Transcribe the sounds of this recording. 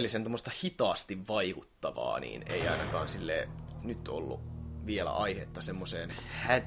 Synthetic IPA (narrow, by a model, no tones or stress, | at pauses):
lːˑisent̪omːost̪ɑhit̪ɑːst̪iʋʋɑikut̪ːɑʋɑ̰ːnḭːneiɑinɑkɑ̰ːnsilːḛːnyt̪o̰lːṵʋielæ̰ʔɑihet̪ːɑsemːoseːnhæ